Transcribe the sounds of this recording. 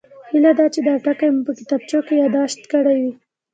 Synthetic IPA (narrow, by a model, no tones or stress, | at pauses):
hilad̪ɑt͡ʃed̪ɑʈakajmupəkɪt̪ɑb̚t͡ʃokejɑd̪ɑʃt̪kəɽawi